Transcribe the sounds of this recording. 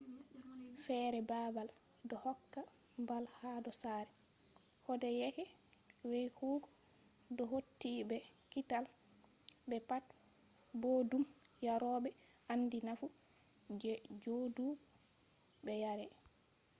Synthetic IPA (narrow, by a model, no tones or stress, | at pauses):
fɛɾɛbabal | dɔhɔkːa | mbalhadɔsaɾɛ | hɔdɛjɛkɛ | wejhuːɡɔ | dɔɦotːibɛkital | bɛpat̚ | bɔdumjaɾɔːbɛ | andinafu | d͡ʒɛd͡ʒodu | bɛjaɾɛ